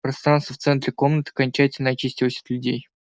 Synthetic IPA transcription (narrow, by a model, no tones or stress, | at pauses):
pɾɐst̪ɾanst̪əft̪sɛnt̪ɾʲɪko̞mnət̪ɨ̥ɐkɐnʲt͡ɕætʲɪlʲnəɐt͡ɕisʲtʲɪlˠsʲɪ̥t̪lʲʊdʲej